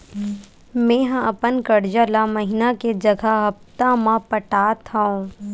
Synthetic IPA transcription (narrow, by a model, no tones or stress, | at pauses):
mẽɦãɐpənkɐɽd͡ʒəlamɐɦɪnaked͡ʒɐɡʱaɦɐft̪amãpəʈaːt̪ʰaõː